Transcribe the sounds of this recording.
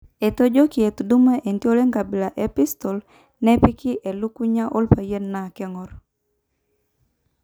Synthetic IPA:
e˨to˦d͡ʒo˦ki˨e˨t̪du˦me˦ʔe˨ntjo˦le˦ŋɡa˨bɪ˨la˨ʔe˦pi˦st̪ɔ˨l | nɛ˦pi˦kʰi˦ʔe˨lu˦ku˦ɲa˦ʔo˦lpa˨je˦nna˨kɛ˦ŋɔ˨ɾ

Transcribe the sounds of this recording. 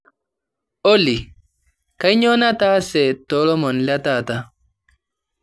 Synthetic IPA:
o˦li˨ | ka˦i˦ɲɔ˦na˦ta˦sɛ˨tɔ˨˦lɔ˦mɔ˨nla˦ta˦˨ta˦

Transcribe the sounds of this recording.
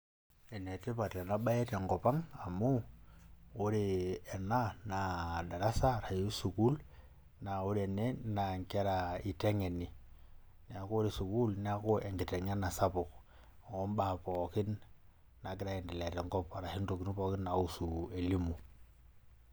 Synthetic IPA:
e˨ne˨te˦pa˨te˨na˦ɓa˦je˦te˨ŋɡɔ˨pa˦ŋa˨moː˦ | ɾi˨ɛ˨na˦na˨da˨ɾa˦sa˦˨ɾa˨hi˦su˨ku˦l | na˨u˦ɾe˨ne˦na˨ŋke˦ɾa˨i˨te˦ŋe˨ni˨ | ni˨a˨ko˦ɾi˨su˨ku˦lnɛ˦a˦ko˦ʔe˨ŋɡɪ˨te˨ŋa˦na˨sa˦pʊ˨k | ɔ˦mba˦˨po˨kɪ˦nː | a˨ɡɪ˦ɾa˦ɛ˨ndi˨le˨te˨ŋɡɔ˦pa˨ɾa˨hi˦n˦to˨ki˦n˦po˨kɪ˦nna˨u˦su˨e˨li˦mu˨

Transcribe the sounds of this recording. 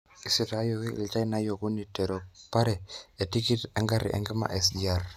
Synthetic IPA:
i˨si˨ta˨˦jo˨kḭ˦˨lt͡ʃa˦i˦na˦jo˨ku˦ni˨te˨ɾo˨pa˦ɾɛ˨e˨ti˦ki˦tɛ˦ŋɡa˦ɾḭ˨ʔɛ̰˨ŋɡe˦ma̰˨ʔɛ˨sd͡ʒi˨a˨r

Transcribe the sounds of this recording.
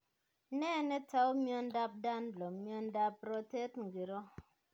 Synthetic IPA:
ne˦˨ne˦ta˦u˦mjɔ˧n̩˦da˧p̚da˦n˦lo˨m˦mjɔ˧n̩˦da˧pɾo˦te˦tŋ̩˨ɡi˨ɾo˦

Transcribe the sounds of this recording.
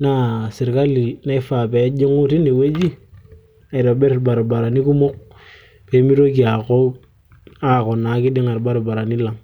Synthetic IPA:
na˦˨si˨ɾka˦li˨na˦i˦fa˨pe˨˦d͡ʒi˦ŋu˦ti˦ne˨we˦d͡ʒi˦ | a˨do˨be˦ɾba˨ɾba˨ɾa˨ni˦ku˦mʊ˦k̚ | pe˨˦mi˦ɾo˦ki˨a˨ko˦ | a˦˨kɔ˨na˨˦kɪ˦di˦ŋa˨ɾba˦ɾba˨ɾa˨ni˦la˨m

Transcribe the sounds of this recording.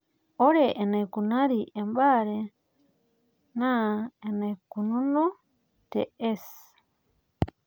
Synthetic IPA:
o˦ɾe˨ʔe˨ne˨ku˨na˦ɾi˨ʔe˨mba˦ɾe | na˦e˨ne˨ku˨nu˦nu˦ | tḛ˨e˦s

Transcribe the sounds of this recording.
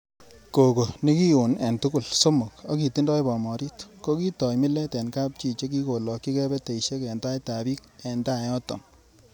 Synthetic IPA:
ko˨ko˨ni˦ki˦o˨nɛ˨ntu˦ku˦˨lso˦mʊ˨ko˦ki˨ti˦ndɔ˦jbɔ˨mɔ˨ɾi˦tko˦ki˦tɔ˨jmɪ˦lɛ˦tɛ˨nka˦p̚t͡ʃi˨t͡ʃe˦k̬i˦ko˨lɔ˨kːi˦kɛ˦bɛ˦te˨iʃe˦kɛ˨nta˦jta˨bi˦k̚ɛ˨nda˦˨jɔ˦tɔ̰˨ŋ

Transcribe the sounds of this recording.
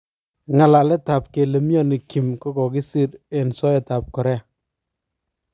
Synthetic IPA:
ŋa˨la˨lɛ˦ta˨p̚ke˨le˨mjɔ˦ni˨ki˨mkɔ˦kɔ˨ki˦si˦ɾe˨nsɔ˦ɛ˨ta˨p̚kɔ˨ɾɛ˦a˨

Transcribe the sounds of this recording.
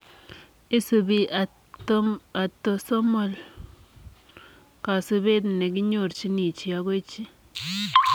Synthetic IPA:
i˦su˨bi˦a˨˦ | a˨t̪ːo˨so˦mo˨l | ka˨su˧be˦t̪ne˨k̬i˦ɲo˦˨ɾt͡ʃi˦ni˨t͡ʃi˨a˦ke˦t͡ʃi˦

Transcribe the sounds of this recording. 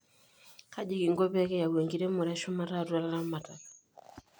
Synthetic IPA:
ka˦d͡ʒi˦ki˨ŋɡɔ˦pɛ˦kɛ˦ja˨we˨ŋɡi˨ɾɛ˦mɔ˨ɾɛ˦ʃu˦ma˦ta˦˨tu˦a˨la˦la˦ma˨ta˨l

